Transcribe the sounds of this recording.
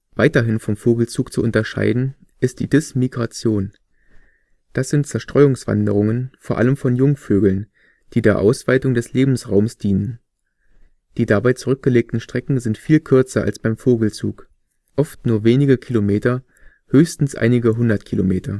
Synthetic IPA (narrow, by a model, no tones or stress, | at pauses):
v̥aɪtɐɦɪnfɔmfoːɡl̩t͡suːkt͡suʔʊntɐʃa̰ɪdn̩ | ʔɪst̚d̥iːdɪsmiɡʁat͡sjoːn | d̥asz̥ɪntt͡sɛɐʃtʁ̥ɔʏʊŋsv̥a̰ndəʁ̞ʊŋənfoːɐʔa̰ləmfɔnjʊŋføːɡl̩n | d̥iːdeːɐʔa̰ʊsv̥aɪtʊŋdɛsleːbm̩sʁaʊmsd̥iːnən | d̥iːdabaɪt͡suʁʏk̚ɡ̥əleːk̚tn̩ʃtʁ̥ɛkŋ̩zɪntfiːlkʰʏɐt͡sɐʔa̰lsb̥aɪmfoːɡl̩t͡sṵːk | ʔɔftnuːɐveːnɪɡəkʰilomeːtɐ | høːçstn̩sʔa̰ɪnɪɡəɦʊndɐtkʰilomeːtʰɐ